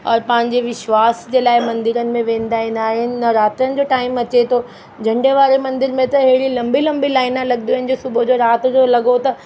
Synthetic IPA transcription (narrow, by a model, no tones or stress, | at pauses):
ɔːɾpɐ̃ɦɪ̃ɲd͡ʑeʋɪʃʋaːsd͡ʑeːlaːɪmɐ̃nd̪ɪɾənɪ̆mẽʋẽːnd̪aːɦĩːn̆d̪aːɦɪnɪ̆ɾaːt̪ɾənɪ̆d͡ʑoːʈaːɪmɐt͡ɕet̪ʰo | d͡ʑʱɐ̃ɳɖeʋaːɾemɐ̃nd̪ɪɾmẽt̪ɐɦeɦɽilɐ̃mbilɐ̃mbilaːɪnãlɐɠnd̪iaɦɪnɪ̆d͡ʑosʊbʱod͡ʑoɾaːt̪d͡ʑolɐɡot̪ɐ